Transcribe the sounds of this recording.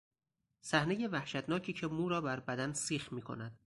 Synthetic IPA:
sæhne̞je̞væhʃæt̪ʰnɒːcʰiːcʰe̞muːɾɒːbæɾbæd̪ænsiːxmiːkʰo̞̰næd̪̥

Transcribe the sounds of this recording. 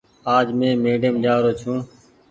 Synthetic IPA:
aːd͡ʒmẽːmeːɖɪəmd͡ʒaːɾoːt͡ʃʰũː

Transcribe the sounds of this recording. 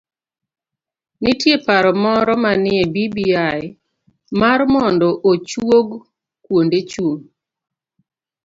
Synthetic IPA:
nɪtjepaɾɔmɔɾɔmanɪebibia | marmɔndɔʔot͡ʃwoɡ | kwondet͡ʃoŋ

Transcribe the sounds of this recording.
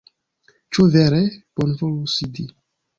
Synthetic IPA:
t͡ʃuveɾeb̥onvolusid̪i

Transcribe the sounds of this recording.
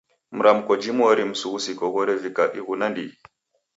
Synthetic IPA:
m̩ɾamkɔd͡ʒimɔɾim̩suɣusikɔɡɔɾɛvikaɗiɣunandḭ

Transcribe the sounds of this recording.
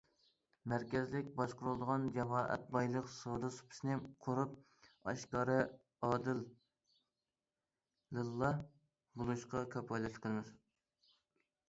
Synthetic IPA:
mæɾkʲɛzlɪkʲbɑʃqʊɾulˠd̪əʁɑnd͡ʒɛmɑːʔɛ̰t̪̚bɑjlˠəqsod̪ɨsu̥pʰɪ̥snɪqʰoɾup̚ | ɑ̰ʃkɑːɾɨ | ɑːd̪ɨl | ɨlˠːɑ | bolˠuʃqɑkʲʰøpɑjlɛʃt̪qʰəlˠmɪz

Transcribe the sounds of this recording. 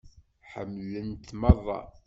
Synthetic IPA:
ħə̰mːlənt̪mɑðˤːɑ̰

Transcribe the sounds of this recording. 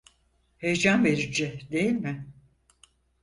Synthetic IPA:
hejd͡ʒanve̞ɾid͡ʒɛd̪e̞jilʲmɪ

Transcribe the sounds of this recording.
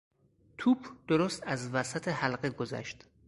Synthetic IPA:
t̪ʰuːbd̪̥oɾost̪æzvæsæt̪ʰehælɢeɡozæ̰ʃt̪

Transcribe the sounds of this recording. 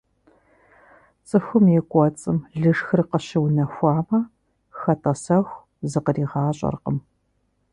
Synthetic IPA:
t͡sʼɨxʷʊmjɛkʷʼɔt͡sʼɨmɮɨʂxɨrqəɕɪwnɐxʷɑːmɐ | xɐtʼɐsɐxʷ | zɨqəriːʁɑːɕʼɐ̰rqə̰m

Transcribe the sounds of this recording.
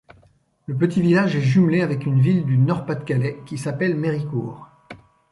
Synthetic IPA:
ləp̬ət̪ʰivilaʒɛʒymleavɛkynvild̪ynɔʁpat̪kalɛkʲisapɛlmeʁikuːʁ

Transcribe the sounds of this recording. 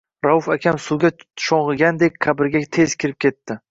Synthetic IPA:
ɾaufakʲʰamsuwɡʲaʃɒɴʁɨɡʲand̪e̞k̚ʲqʰabɪɾɡʲat̪ʰe̞zkʲʰɪɾɪp̚kʲe̞t̪ːɪ

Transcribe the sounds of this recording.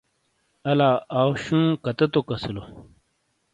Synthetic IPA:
ɐlaːaːwɕũːkɐt̪ɐt̪okɐsilo

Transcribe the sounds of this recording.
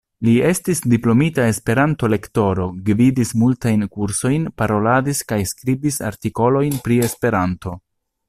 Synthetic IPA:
lie̞stisdiplo̞mitae̞spe̞ɾanto̞le̞kto̞ɾo̞ɡvidismultajnkuɾso̞jnpaɾo̞ladiskajskɾibisa̰ɾtiko̞lo̞jnpɾie̞spe̞ɾanto̞

